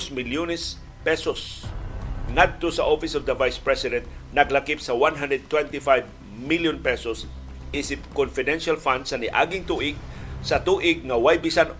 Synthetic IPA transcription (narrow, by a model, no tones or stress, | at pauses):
smɪljunɛs | pɛsos | ŋad̪̚t̪osɐʔofɪsɔvd̪ɐvajspɹɛsɪd̪ɛ̃nt̪̚nɐɡlɐkɪpsɐwanɦand̪ɛd̪̚t̪wɛnt̪ɪfajv | miljʊnpɛsos | ʔɪsɪp̚kɔnfɪd̪ɛnʃalfand̪sɐnɪʔa̰ːɡɪŋt̪uːʔɪɡ̚sɐt̪uːʔɪɡ̚ŋɐwajbɪsan